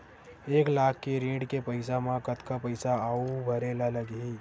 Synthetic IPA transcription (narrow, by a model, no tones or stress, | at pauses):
eːklaːkʰːeɾĩːɽkepəɪsamãkət̪kapɐɪsaaubʱɐɾeːlalɐɡɦiː